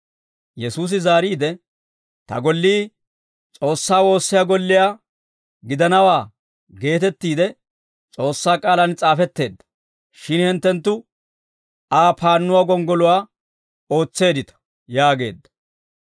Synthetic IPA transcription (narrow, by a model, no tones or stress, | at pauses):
jɛsuːs̬ɪzaːɾiːd̪ɛ | t̪ɐ̰ɡɔlːiː | t͡sʼo̞ːsːaːwo̞ːsːɪjaːɡɔlːɪjaː | ɡɪd̪ɐnɐwaː | ɡe̞ːt̪ɛt̪ːiːd̪ɛ | t͡sʼo̞ːsːaːkʼaːlɐnt͡sʼaːfɛt̪ːe̞ːd̪ːɐ̥ | ʃɪnhɪnt̪ːɛnt̪ːʊ | aːpʰaːnːʊwaːɡɔŋɡɔlʊwaː | o̞ːt͡sːe̞ːd̪ɪt̪ɐ̥ | jaːɡe̞ːd̪ːɐ̥